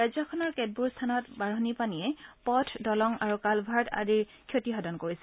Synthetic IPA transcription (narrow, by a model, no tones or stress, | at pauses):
azɔkʰɔnɔɹkɛd̚buɹstʰanɔtbaɹɔnipaniɛpɔtʰdɔlɔŋaɹukalbʱaɹtʰa̰diɹ | kʰjotiɦɔdɔnkoɹisɛ